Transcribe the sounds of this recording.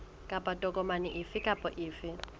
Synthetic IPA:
kʼapʼatʼɔkʼɔmanɪʔɪfɪkʼapʼɔʔɪːfɪ

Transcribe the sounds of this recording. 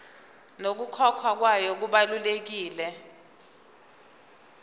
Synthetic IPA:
nok̬ukʰɔkʰwak̬wajɔk̬uɓalulek̬iːlɛ

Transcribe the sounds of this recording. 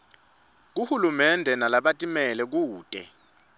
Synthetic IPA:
k̬uhulumɛndʱɛnalaɓatʼimɛlɛk̬uːtʼɛ

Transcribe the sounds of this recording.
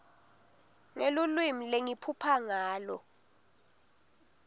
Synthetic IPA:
ŋelulwimileŋipʰupʰaŋaːlɔ

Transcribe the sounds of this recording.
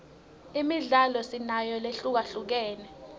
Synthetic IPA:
imiɮalɔsinajɔleɬuk̬aɬuk̬ɛːnɛ

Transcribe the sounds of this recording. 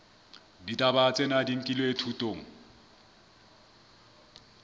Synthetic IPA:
ditʼabat͡sʼɛnadiŋ̩kʼilɔetʰutʼoːŋ̩

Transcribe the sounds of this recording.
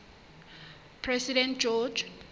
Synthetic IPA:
pʰrɛsidɛ̃nt̚d͡ʒɔd͡ʒ

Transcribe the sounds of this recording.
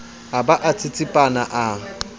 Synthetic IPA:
abaʔat͡sʼɪt͡sʼɪpʼanaʔa

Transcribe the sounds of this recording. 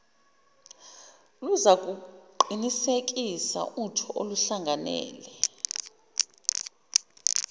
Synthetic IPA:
luzak̬ʼuǃinisek̬ʼisa̰ʔutʰɔʔoluɬaŋɡʱanɛ̰ːlɛ

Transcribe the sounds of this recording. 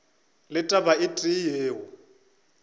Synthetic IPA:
lɪtʼabaɪtʼijeːɦʊ

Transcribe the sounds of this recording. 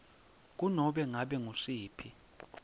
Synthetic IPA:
k̬ʼunɔɓɛŋaɓɛŋuʂiːpʰi

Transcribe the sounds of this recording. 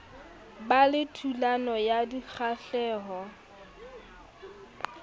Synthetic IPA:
balɪtʰulanɔjadik͡xʰaɬɛːɦɔ

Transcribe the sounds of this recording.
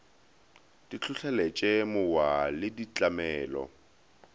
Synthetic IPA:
dit͡ɬʰʊɬʰɛlɛt͡ʃʼemʊwalɪdit͡ɬʼamɛːlɔ̰

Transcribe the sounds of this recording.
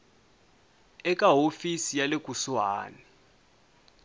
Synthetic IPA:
ɛk̬ʼaɦofisijalek̬ʼuswaːnɛ

